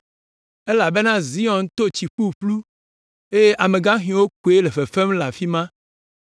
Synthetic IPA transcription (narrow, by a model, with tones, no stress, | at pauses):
e˦la˨be˦nã˦zi˦ɔ̃˨n˦t̪o˦t͡ɕi˨ɸu˦ɸlu˦ | e˦je˦ʔa˨mẽ˨ɡã˦ɦĩ˨˦wo˦ko˨˦e˦le˨ɸe˨fe˦mla˨fi˦mã˦